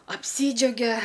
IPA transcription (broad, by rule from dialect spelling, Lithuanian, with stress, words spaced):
ɐpʲˈsʲiːd͡ʒʲɛʊɡʲɛ